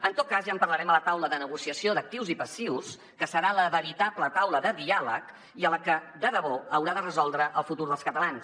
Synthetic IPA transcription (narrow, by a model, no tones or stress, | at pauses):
ənt̪ot̪̚kazʒaəmpəɾləɾɛmələt̪awləðənəɣusiəsioðək̚t̪iwzipəsiws | kəsəɾaləβəɾit̪ablət̪awləðəðialək | iələkəd̪əðəβoəwɾaðərəzɔlˠd̪ɾəʔəlˠfut̪uɾðəlˠskət̪əlans